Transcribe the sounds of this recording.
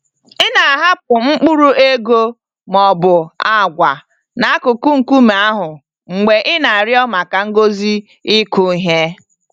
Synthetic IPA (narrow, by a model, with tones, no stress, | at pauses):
ɪ˦na˨a˨ɦa˦p̚ʊ˨ŋ͡m̩˦k͡pu˦ɾu˦e˦ɡo˦ | mɔ˨bʊ˨a˦˨ɡʷa˨ | na˨a˦kʊ˨ku˦ŋ̩˨ku˦m˨a˦ɦʊ˨ | ŋ͡m̩˨ɡ͡be˨ʔɪ˦na˨a˨ɾɪ˦ɔ˦ma˨ka˨ŋ̩˦ɡo˦zi˦ | ɪ˦kʊ˦ɦe˦